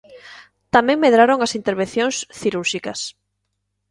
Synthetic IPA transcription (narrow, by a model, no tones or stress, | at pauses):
t̪amɛ̃ŋmeðɾaɾoŋɐsint̪eɾβẽnθjõŋsθiɾuɾʃikɐs